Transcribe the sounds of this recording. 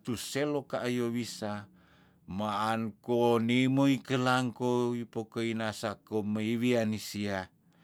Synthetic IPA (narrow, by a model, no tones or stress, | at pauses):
t̪uselokaʔːjowisa | maʔːnkonimoikəlaŋkoipokoinasakoməiwianisia